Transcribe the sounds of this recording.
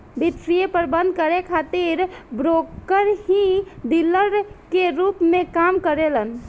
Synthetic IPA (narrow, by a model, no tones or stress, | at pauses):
bit̪ɾijepəɾbə̃nd̪̚ʱkəɾekʰat̪iɾbɾokəɾɦĩd̪iləɾkeɾupmẽkamkəɾelən